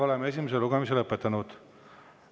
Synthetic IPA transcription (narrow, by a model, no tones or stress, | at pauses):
o̞lemee̞s̬ʲimes̬eluɡ̥emis̬eləpːˑet̪ːˑɑnud̪̥